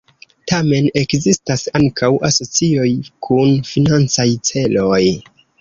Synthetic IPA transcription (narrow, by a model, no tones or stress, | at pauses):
tame̞ne̞kzistasaŋkʰawʔaso̞t͡sio̞jkʰunfinant͡sajt͡se̞lo̞j